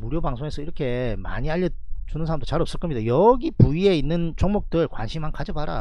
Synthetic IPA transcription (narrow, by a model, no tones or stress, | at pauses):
muɾjobaŋsʰoŋe̞sʰʌiɾʌkʰe̞ma̰ɲiaʎːʌt͡ɕunɯnsʰaɾamdot͡ɕaɾʌps͈ɯɭk͈ʌmɲidajʌɡipuie̞inːɯnt͡ɕoŋmok̚t͈ɯɭkwanɕʰimɦankad͡ʑʌbaɾa̰